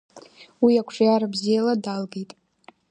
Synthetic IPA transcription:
wiakʷʰʂjaɾabzijaladalɡejtʼ

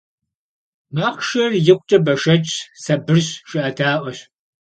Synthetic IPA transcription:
maːχʃɐrjɪkʷʼt͡ʃʼɐbɐʃɐt͡ʃʼsɐbɨrɕʃɪʔɐtʰaːʔʷɔɕ

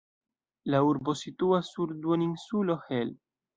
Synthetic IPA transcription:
lauɾbo̞sit̪uasːuɾd̪uoninsulo̞hel

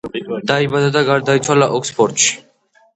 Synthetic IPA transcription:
d̪̥aibad̪ad̪aɡaɾd̪ait̪sʰwalaʔɔkspʰɔɾt̪ʃi̥

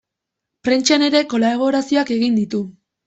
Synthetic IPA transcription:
pɾent͡ʃane̞ɾe̞ko̞laβ̞o̞ɾasio̞ake̞ɣind̪it̪u

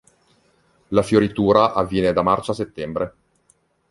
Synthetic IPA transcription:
lafjoɾit̪uːɾaʔavːjɛːned̪amart͡ʃaset̪ːɛmbɾe

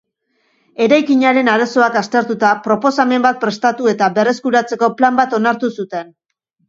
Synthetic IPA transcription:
e̞ɾajkiɲaɾe̞naɾaso̞akast̪e̞ɾt̪ut̪apɾo̞po̞same̞mbat̪̚pɾe̞st̪at̪ue̞t̪abe̞re̞skuɾat͡se̞ko̞plambat̪o̞naɾt̪usut̪e̞n

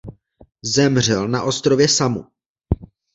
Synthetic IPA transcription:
zɛmr̝ɛlnaʔo̞st̪ɾo̞vjɛsamu

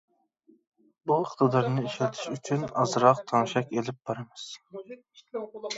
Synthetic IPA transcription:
buəχt̪ʰɨd̪ɑɾnɨeʃlt̪ʰɪ̥ʃyt͡ʃʰynɑ̰zɾɑq̚t̪ʰɑŋʃɛkʲelɪp̚bɑɾɨmɨz̥

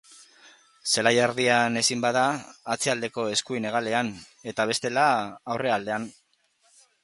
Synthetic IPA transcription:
se̞lajaɾðiane̞simbaðaːt͡siald̪e̞ko̞e̞skuine̞ɣ̞ale̞an | e̞t̪aβ̞e̞st̪e̞laːwre̞ald̪e̞an

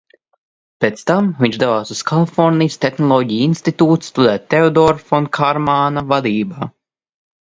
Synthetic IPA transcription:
pet̪st̪amviɲt͡ʃd̪ɛvaːsuskʰalˠifɔɾnijst̪exnɔlˠɔɟijinst̪it̪uːt̪sst̪ud̪ɛːt̪ʲt̪ːeɔd̪ɔɾfɔnkʰaɾmaːnavad̪iːbaː

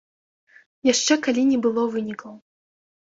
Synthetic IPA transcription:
jaʂt͡ʂɛkalʲinʲɛbɨlˠɔvɨnʲikəw

